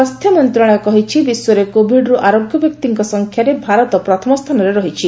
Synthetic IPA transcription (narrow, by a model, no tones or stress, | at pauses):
ast̪ʰjɔmiɔnt̪ɾɔɽ̃ɔjkɔɦit͡ʃʰibisɔɾekobʱiɖɾuʔaɾoɡjɔbjɔk̚t̪iŋkɔsɔŋkʰjaɾebʱaɾɔt̪ɔpɾɔt̪ʰɔmɔst̪ʰanɔɾeɾɔɦit͡ʃʰi